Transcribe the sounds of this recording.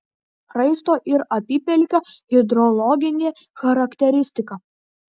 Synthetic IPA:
xɾɐɪst̪oːʔɪɾɐpʲiːpʲɛlʲkʲoɣʲɪd̪ɾɔlˠɔɡʲɪnʲeː | xɐɾɐkt̪ʲɛɾʲɪsʲt̪ʲɪkɐ

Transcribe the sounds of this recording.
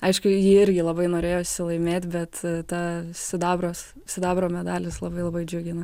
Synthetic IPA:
ɐɪʃkʊjiːɪɾʲɡʲɪlˠɐbɐɪnoːɾʲeːjoːʃʲsʲɪlˠɐɪmʲeːt̪ʲbʲɛt̪t̪ɐsʲɪd̪ɑːbɾoːs | sʲɪd̪ɑːbɾoːmʲɛd̪ɑːlʲɪslˠɐbɐɪlˠɐbɐɪd͡ʒʲʊɡʲɪnɐ

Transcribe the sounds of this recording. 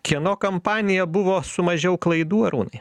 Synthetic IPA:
kʲiɛnoːkɐmpɑːnʲɪjɛbʊʋoːsʊmɐʒʲɛʊklˠɐɪd̪uːɐɾṵːnɐɪ

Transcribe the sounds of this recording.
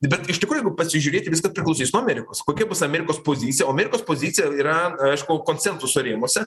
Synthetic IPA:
bʲɛt̪ɪʃtʲɪkɾuːʊjɛɡʊpɐsʲɪʒʲuːɾʲeːt̪ʲɪʋʲɪskɐspʲɾʲɪklˠɐʊsʲiːsnuːɐmʲɛːɾʲɪkoːskoːkʲɛbʊsɐmʲɛːɾʲɪkoːspoːzʲiːt̪t͡sʲɪjɛoːɐmʲeːɾʲɪkoːspoːzʲiːt͡sʲɪjɛiːɾɐɐɪʃkʊkoːnʲt͡sʲɛnt̪ʊsʊɾʲeːmoɔsʲɛ

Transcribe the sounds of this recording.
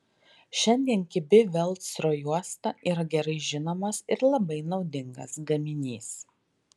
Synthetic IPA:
ʃʲɛnʲd̪ʲiɛnkʲɪbʲɪʋʲɛlˠt̪sɾoːjuɔst̪ɐʔiːɾɐɡʲɛɾɐɪʒʲɪnoːmɐsɪɾlˠɐbɐɪnɒʊd̪ʲɪŋɡɐ̰sɡɐmʲɪnʲiːs

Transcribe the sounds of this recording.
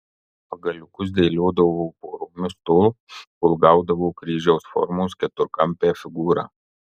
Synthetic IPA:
pɐɡɐlʲʊkʊs̬d̪ʲɛɪlʲoːd̪ɐʋoːpoːɾoːmʲʊst̪oːlˠ | ʊlˠɡɑˑʊd̪ɐʋoːkɾʲiːʒʲɛʊsfɔ̰ɾmoːskʲɛt̪ʊɾkɐmʲpʲeːfʲɪɡuːɾɑ̰ː

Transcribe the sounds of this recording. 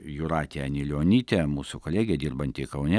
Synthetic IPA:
jʊɾɑːt̪ʲeɐnʲɪlʲoːnʲiːt̪ʲeɛmuːsʊkoːlʲæːɡʲeɛd̪ʲiːrbɐnʲt̪ʲɪkɐʊnʲɛ

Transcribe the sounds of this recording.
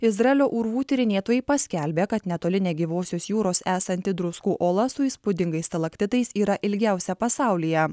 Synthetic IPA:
ɪzɾɐɛlʲoːʔuɾʋuːt̪ʲɪɾʲɪnʲeːɛt̪oːjɛpɐsʲkʲɛlʲbʲeːkɐt̪nʲɛt̪oːlʲɪnʲeːɡʲiːʋoːsʲoːsjuːɾoːsæːsɐnʲt̪ʲɪd̪ɾʊskuːʔoːlˠɐsʊiːspʊd̪ʲɪŋɡɐɪst̪ʲɐlˠɐkt̪ʲɪt̪ɐɪsiːɾɐʔɪlʲɡʲæˑʊsʲɛpɐsɑˑʊlʲijɛ

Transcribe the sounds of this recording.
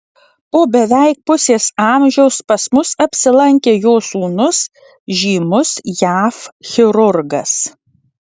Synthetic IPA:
poːbʲɛʋʲæɪk̚pʊsʲeːsɑːmʲʒʲɛʊspɐsmʊsɐpʲsʲɪlˠɐŋʲkʲeːjoːsuːnʊs | ʒʲiːmʊsjæːfxʲɪɾʊɾɡɐs

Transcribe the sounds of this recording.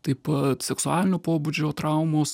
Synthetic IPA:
t̪ɐɪpɐt̪sʲɛksʊaːlʲɪnʲʊːpoːbud͡ʒʲoːt̪ɾɐˑʊmoːs

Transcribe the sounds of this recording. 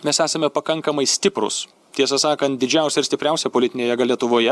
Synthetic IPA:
mʲɛsæːsɐmʲɛpɐkɐŋkɐmɐɪsʲt̪ʲɪpɾʊ̰s | t̪ʲiɛs̬ɐsɑːkɐnt̪̚d̪ʲɪd͡ʒʲɛʊsʲɛɪɾst̪ʲɪpʲɾʲɛʊsʲɛpolʲɪt̪ʲɪnʲeːjɛɡɐlʲiɛt̪ʊʋoːjɛ

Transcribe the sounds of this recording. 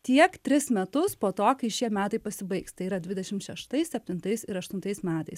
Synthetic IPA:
t̪ʲiɛkt̪ʲɾʲɪsmʲɛt̪ʊspoːt̪oːkɐɪʃʲiɛmʲæːt̪ɐɪpɐsʲɪbɐɪkst̪ɐɪiːɾɐdʲʋʲɪd̪ʲɛʃʲɪmt̪ʃʲɛʃt̪ɐɪsʲsʲɛpʲt̪ʲɪnt̪ɐɪsɪɾɐʃt̪ʊnt̪ɐɪsmʲæːt̪ɐɪs

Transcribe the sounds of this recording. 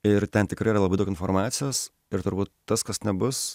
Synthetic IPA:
ɪɾt̪ʲɛnt̪ʲɪkɾɐɪːɾɐlˠbɐɪd̪ʊkʲɪnfoːɾmɑːt̪sʲɪjoːs | ɪɾt̪ʊɾbuːt̪ːɐskɐsnʲɛbʊs

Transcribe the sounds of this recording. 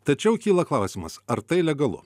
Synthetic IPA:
t̪ɐt͡ʃʲɛʊkʲiːlˠɐklˠɑˑʊsʲimɐsɐɾt̪ɐɪlʲɛɡɐlˠʊ̰

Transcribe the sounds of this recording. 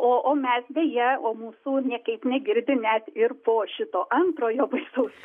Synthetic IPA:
oːʔoːmʲɛsdʲejɛoːmuːsuːnʲɛkɐɪpnʲɛɡʲɪɾʲd̪ʲɪnʲɛt̪ɪrpoːʃʲɪt̪oːʔɐnt̪ɾoːjoːbɐɪsɐʊs

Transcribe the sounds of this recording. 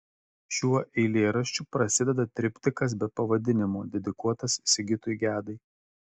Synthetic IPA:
ʃʲuɔʔɛɪlʲeːɾɐʃʲt͡ʃʲupɾɐsʲɪd̪ʲɛd̪ɐt̪ʲɾʲɪpʲt̪ʲɪkɐs̬bʲɛpɐʋɐd̪ʲɪnʲɪmoːd̪ʲɛd̪ʲɪkuɔt̪ɐssʲɪɡʲɪt̪ʊjɡʲæːd̪ɐɪ

